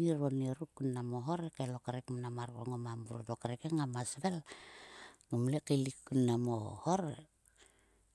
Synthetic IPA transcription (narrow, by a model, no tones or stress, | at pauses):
iɾonieɾukːunːamoɦoɾekelokaɾekmnamaɾko̰ŋomambuɾotokaɾekeŋamasβel | numlekelikːunːamohoɾe